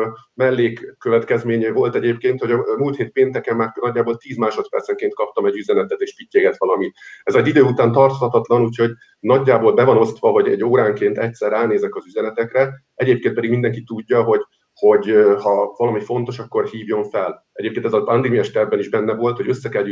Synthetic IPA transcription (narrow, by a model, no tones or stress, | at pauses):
mɛlːeːkːøvɛt̪kɛzmeːɲɛvo̞lt̪ɛɟeːpkeːnt̪ho̞ɟɒmult̪heːt̪̚peːnt̪ɛkɛmːaːrnɒɟːaːbolt̪iːzmaːʃo̞t̪pɛ̰rt̪sɛŋkeːnt̪̚kɒp̚t̪ɒmɛɟːyzɛnɛt̪ɛt̪eːʃpicːeːɡɛt̪ʋɒlɒmit̪ɛzɛdid̪øːut̪aːnt̪ɒrt̪hɒt̪ɒt̪lɒnuːcho̞ɟ | nɒɟːaːboːlbɛvɒno̞st̪ʋɒvɒɟɛ̰ɟːoːɾaːŋkeːnt̪ɛc̚t̪sɛɾaːneːzɛkɒzyzɛnɛt̪ɛkrɛ | ɛɟeːpkeːnt̪̚ɛd̪iɡmind̪ɛŋkit̪uɟːɒɦo̞ɟ | ho̞ɟhɒvɒlɒmifo̞n̪t̪o̞ʃɒkːo̞rhiːvjo̞ɱfɛl | ɛɟeːpkeːnɛzɒɒnd̪imiɛʃt̪ɛrbɛniʒbɛnːɛvo̞lt̪ho̞ɟø̞sːɛkɛlj